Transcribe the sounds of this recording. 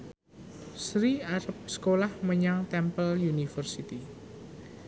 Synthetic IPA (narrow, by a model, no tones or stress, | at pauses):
sɾiaɾəp̚sə̥kolahməɲaŋt̪ɛmpəljunifərsit̪i